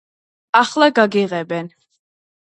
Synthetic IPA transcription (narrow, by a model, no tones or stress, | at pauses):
aχlaɡaɡiʁɛbɛn